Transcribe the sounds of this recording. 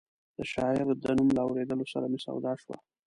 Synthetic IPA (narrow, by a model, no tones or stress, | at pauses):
d̪̥əʃɑɪɾd̪ənumlaːwɾed̪əlosaɾamesa̰wd̪ɑʃwa̰